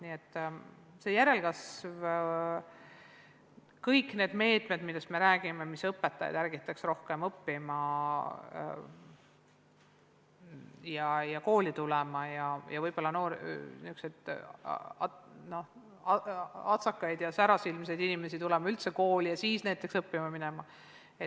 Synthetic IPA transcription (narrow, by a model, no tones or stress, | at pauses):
niːet̪ˑː | seːjæɾe̞lɡ̥ɑsv | kɤjkːˑne̞ːd̪̥me̞ːt̪ˑme̞d̪milːe̞st̪me̞ɾæːɡ̥ime̞misɤpːe̞t̪ːˑɑjɑ̰d̪ærɡit̪ːˑɑksro̞hkemɤpːimɑ | jɑjɑko̞ːlit̪ulɛmɑjɑjʔɑvɤjb̥o̞lːɑno̞ːɾniykset̪ː | no̞ | ɑɑt̪sɑkːˑɑjd̪jɑsæɾɑsilmse̞jd̪inime̞sit̪ulɛmɑylt̪se̞ko̞ːlijɑsiːsnæjt̪ˑːe̞ksɤpːimɑmine̞mɑ | e